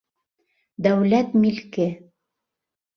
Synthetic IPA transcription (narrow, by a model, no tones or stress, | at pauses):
d̪æwlæt̪milkɘ